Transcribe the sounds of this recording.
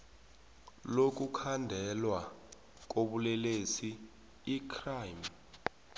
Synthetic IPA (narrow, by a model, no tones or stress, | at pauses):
lok̬ʼukʰandʱɛlwa | k̬ʼoɓulɛlesiː | kʰrajm